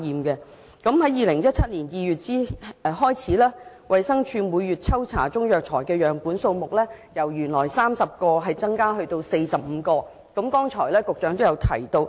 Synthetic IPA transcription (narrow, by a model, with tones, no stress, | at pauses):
jiː˨mkɛː˧ | kɐ˨˥mɦɐ˨˥jiː˨˧lɪ˨˩ŋjɐ˥t̚t͡sʰɐ˥t̚liː˨˩njiː˨˧jyː˨t̚t͡siː˥˧ɦɔː˥jt͡sʰiː˨˥lɛː˥ | wʔɐ˨jsɐ˥ŋt͡ʃʰyː˧muː˨˧jɥyː˨t̚t͡sʰɐ˥wt͡sʰa̰ː˨˩t͡ʃʊ˥ŋjœː˨k̚t͡ʃʰɔː˨˩jkɛː˧jœː˨˩ŋpuː˨˥nso˧wmʊ˨k̚lɛː˥jɐ˨˩wjyː˨˩nlɔː˨˩jsaː˥msɐ˨p̚kɔː˧ɦɐ˨jt͡sɐ˥ŋkaː˥ɦɵ˧ɥt̪o˧wse˧jsɐ˨p̚m̩˨˧kɔː˧ | kɐ˨˥mkɔː˥ŋt͡ʃʰɔː˨˩jlɛː˥kʊ˨k̚t͡ʃœː˨˥ŋt̪o˥wjɐ˧wt̪ʰɐ˨˩jt̪o˧w